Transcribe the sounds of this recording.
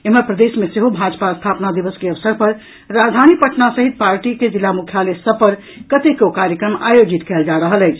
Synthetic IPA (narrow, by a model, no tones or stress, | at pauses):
eməpɾəd̪esmeseɦobʱad͡ʒpast̪ʰapnad̪ibəskeəʋəsəɾpəɾː | ad͡ʒd̪ʱanipəʈʰnasəɦit̪̚paɾʈiked͡ʒilːamukʰjalesəbpəɾ | kət̪ekokaɾjəkɾəma̰jod͡ʒit̪kɛld͡ʒaɾəɦəlɛɪt͡ʃʰ